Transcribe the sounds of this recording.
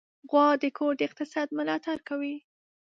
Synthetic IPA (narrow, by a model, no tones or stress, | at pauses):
ɣwɑd̪əkʰoɾd̪əɪq̚t̪ɪsɑd̪mʊlɑt̪aɾkawi